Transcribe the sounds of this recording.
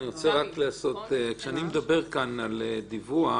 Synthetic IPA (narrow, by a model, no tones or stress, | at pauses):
niʁot͡seʁakleaso̞t̪ekʃeanimed̪abe̞ʁkanaled̪ivua